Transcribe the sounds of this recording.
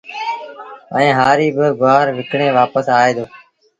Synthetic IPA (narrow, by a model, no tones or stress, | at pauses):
ə̰ĩːɦaːɾiːbəɡʊaːɾʋɪkɳẽːʋaːpəsaːeːd̪oː